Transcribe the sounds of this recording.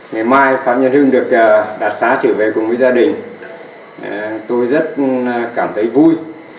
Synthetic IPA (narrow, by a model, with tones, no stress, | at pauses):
ŋa˨˩jmaː˧jfa̰ː˧˨p̚ɲə˧nhɨ˧ŋɗɨ˨˩ək̚ːɗaː˨˩t̚saː˨˦t͡ɕə˧˩ve˨˩kʊ˨˩ŋ͡mvəː˨˦jzaː˧ɗï˨˩ŋ̟˨ | t̪o˧jzə˦˥t̚kaː˧˩mt̪ʰə˨˦jvu˧j